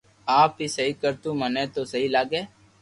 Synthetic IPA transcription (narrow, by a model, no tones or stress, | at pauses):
aːpɦiːsəɦiːkəɾt̪ũːmənẽːt̪oːsəɦiːlaːɡeː